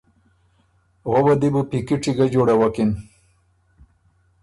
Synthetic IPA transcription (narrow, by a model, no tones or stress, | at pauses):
ɣobad̪ibupikiʈ͡ʂiɡad͡ʑoɽawakin